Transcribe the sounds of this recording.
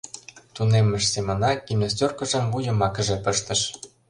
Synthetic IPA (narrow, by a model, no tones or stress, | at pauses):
t̪unemə̆ʃsemŏnɑkimnostʲorkə̆ʒə̆mvujə̆mɑkə̆ʒĕpə̆ʃt̪ə̆ʃ